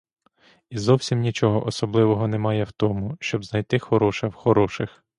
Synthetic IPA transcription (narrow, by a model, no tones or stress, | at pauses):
izɔwsʲimnʲit͡ʃɔɦɔʔɔsɔblˠɪʋɔɦɔnemɑjɛwt̪ɔmʊʃt͡ʃɔbznɐjt̪ɪxɔɾɔʃɐwxɔɾɔʃɪx